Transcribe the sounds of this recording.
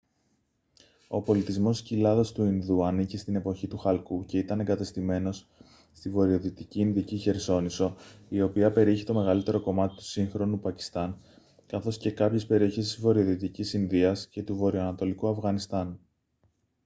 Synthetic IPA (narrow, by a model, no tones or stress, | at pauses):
o̞po̞lit̪izmo̞scilɐðo̞st̪uinðuɐnicist̪ine̞po̞çit̪uxɐlkuce̞it̪ɐne̞ŋɡɐt̪est̪ime̞no̞s | st̪ivo̞ɾio̞ðit̪iciːnðiciçe̞ɾso̞niso̞io̞piɐpe̞ɾieçit̪o̞me̞ɣɐlit̪e̞ɾo̞ko̞mɐt̪i̥t̪u̥siŋxɾo̞nupɐci̥st̪ɐn | kɐθo̞sce̞kɐpçe̞spe̞ɾio̞çesizvo̞ɾio̞ðit̪icisinðiɐsce̞t̪uvo̞ɾio̞ɐnɐt̪o̞likuɐfɣɐnist̪ɐn